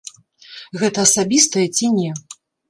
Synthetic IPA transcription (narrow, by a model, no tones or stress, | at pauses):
ɣɛt̪ɐːsabʲist̪ɐjɛt͡sʲinʲɛ